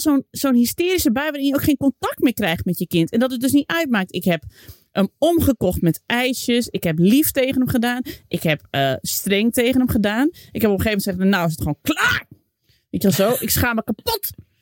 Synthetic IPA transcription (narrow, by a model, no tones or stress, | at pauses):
sonsoːnhistɪːɾisəbɛjʋəɪnjəokχeːnkɔntak̚tmɪːkrɛjχtmɛtjəkɪntɛndɔtət̚døsnitœɥt̚maːk̚tɪkɦɛp | ʔəmɔmχəkɔxtmɛtʔɛjsjəsɪkhɛplifteːɣənəmχədaːnʔɪkhɛpəstrɛŋteːɣənəmχədaːnʔɪkhɛpɔpxeːvəmɛntsɛxənːawɪs̬ətχoːnklaːr | ʋetɛlˠsoːʔɪksχaːməkapot